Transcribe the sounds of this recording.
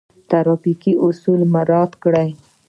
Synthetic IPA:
t̪aɾɑfikiʔʊsulmaɾɑd̪kɽaj

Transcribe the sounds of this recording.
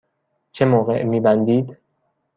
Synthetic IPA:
t͡ʃʰe̞mɒːɣe̞̰ʔmiːbænd̪iːd̪

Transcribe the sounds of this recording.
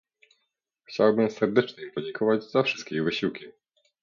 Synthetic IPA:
xt͡ɕawbɘmsɛɾd̪ɛt͡ʂɲɛmpɔd͡ʑeŋkʰɔvad͡ʑzafʂɘst̪̚kʲevɘɕiwkʲi

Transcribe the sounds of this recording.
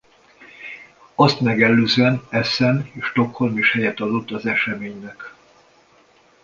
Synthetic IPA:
ɒst̪mɛɡɛlːøːzɛnɛsɛneːʃt̪o̞kho̞lmeʃhɛjɛt̪ɒd̪ot̪ːɒzɛʃɛmeːɲnɛk

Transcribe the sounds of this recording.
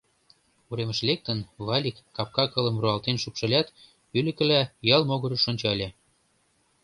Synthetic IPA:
uɾemə̆ʃlek̚t̪ənβɑlʲikːɑp̚kɑkɤ̆lə̆mruɑlt̪enʃupʃɤ̆lʲæt̪ | ylə̆kə̆læjɑlmoɣɤ̆ɾɤ̆ʃonʲt͡ɕɑlʲe

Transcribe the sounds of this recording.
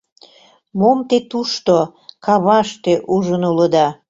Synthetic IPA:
momt̪et̪uʃt̪okɑβɑʃt̪eʔuʒənuləd̪ɑ

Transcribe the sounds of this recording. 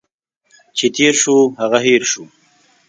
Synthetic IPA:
t͡ʃʰet̪ʰeːɾʃuɦaɣaɦeɾʃu

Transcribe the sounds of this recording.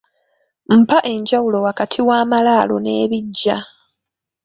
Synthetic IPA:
m̩paʔe̞ɲɟawulo̞wakatʰiwaːmalaːlo̞̰ne̞ːβiɟːa

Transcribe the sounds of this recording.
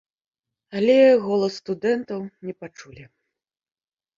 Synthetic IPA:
alʲɛɣɔlˠɐsːt̪ud̪ɛnt̪ɐwnʲɛpat͡ʂulʲi

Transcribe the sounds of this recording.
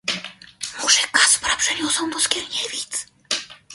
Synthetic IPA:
mɔʐɛkaspɾapʂɛɲʲɔsɔw̃d̪ɔskʲɛɾɲʲeɛvʲit̪s

